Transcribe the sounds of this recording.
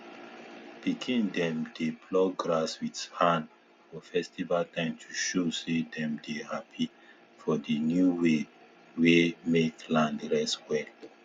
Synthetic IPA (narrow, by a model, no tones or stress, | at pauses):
pikʰĩndɛ̃mdeplɔɡɹaswithãn | fɔfɛstivaltãɪ̃mtʰuʃosedɛ̃mdehapʰi | fɔdənjuwe | wemeklãndɹɛswɛl